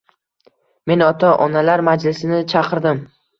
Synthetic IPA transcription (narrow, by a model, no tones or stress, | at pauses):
me̞nɒt̪ʰaʔɒnalaɾmad͡ʒlɪsɪnɪt͡ʃʰɑqɨɾd̪ɪm